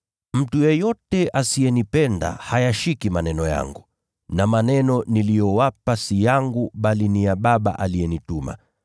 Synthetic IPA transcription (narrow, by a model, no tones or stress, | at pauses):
m̩tujɛjɔtɛʔasijɛnipɛnda̰hajaʃikimanɛnɔja̰ŋɡu | namanɛnɔnilijɔwapasijaŋɡuɓalinijaɓaɓa̰ʔalijɛnituma̰